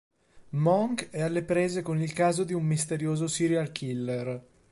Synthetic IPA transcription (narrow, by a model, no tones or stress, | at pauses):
mɔŋkɛalːepɾeːzekonilkaːzod̪iumːist̪eɾjoːzosiɾjalkʰilːer